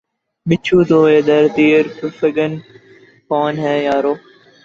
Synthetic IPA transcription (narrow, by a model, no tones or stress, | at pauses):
mɪt͡ʃʰuːt̪oːeːd̪əɾt̪iːɾpʊfəɡən | kɔːnɦɛːjaːɾoː